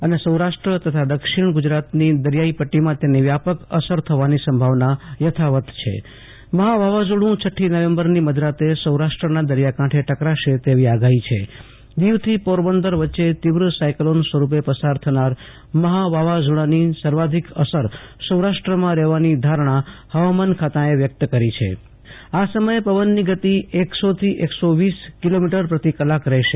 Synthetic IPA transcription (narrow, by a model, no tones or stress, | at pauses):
ənesəwɾaʂʈɾət̪ət̪ʰad̪əkʃiɳɡʊd͡ʒɾat̪nid̪əɾjaipəʈːimãt̪eniʋjapəkəsəɾt̪ʰəʋanisəmbʱaʋnajət̪ʰaʋət̪t͡ʃʰḛ | məɦaʋaʋad͡ʒuɽũt͡ʃʰəʈʰːinəʋembəɾniməd̪ɾat̪esəwɾaʃʈɾənad̪əɾjakãʈʰeʈəkɾaʃet̪eʋiaɡaɦit͡ʃʰḛ | d̪iʋt̪ʰipoɾbənd̪əɾʋətːʃet̪iʋɾəsajklonsʋəɾup̬epəsaɾt̪ʰənaɾ | məɦaʋaʋad͡ʒuɽanisəɾʋad̪ʱikəsəɾsəwɾaʃʈɾəmãɾɛʋanid̪ʱaɾɳ̃ahəʋamankʰat̪aeʋjək̚t̪əkəɾit͡ʃʰḛ | asəməjepəʋənːiɡət̪ieksot̪ʰiʔeksoʋiskilomiʈəɾpɾət̪ikəlakɾɛɦʃe